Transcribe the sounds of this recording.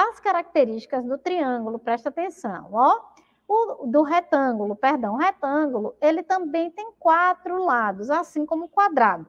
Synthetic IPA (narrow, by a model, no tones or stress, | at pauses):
ɐskaɾak̚t̪eɾiʃt͡ʃi̥kɐzd̪ʊt̪ɾiɐ̃ɡulʊpɾɛʃt̪ɐat̪ẽsɐ̰̃w̃ɔ | ʊd̪ʊɦet̪ɐ̃ɡulʊpeɾd̪ɐ̃w̃ɦet̪ɐ̃ɡulʊelɪt̪ɐ̃bẽj̃t̪ẽj̃kwat̪ɾʊlad̪ʊzasĩkõmʊkwad̪ɾad̪ʊ